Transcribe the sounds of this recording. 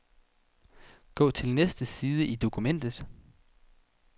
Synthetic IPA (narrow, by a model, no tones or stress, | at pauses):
ɡ̥ɔ̰̽ːt͡sʰe̝lnesd̥əsiːð̞ˠəʔid̥o̝kʰumen̰d̥ð̩ˠ